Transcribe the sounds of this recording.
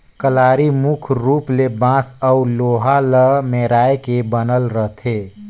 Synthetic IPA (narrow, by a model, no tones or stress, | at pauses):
kəlaːɾimukʰɾuplebãsəuloɦaləmeɾaːekebənəlɾəɦt̪ʰe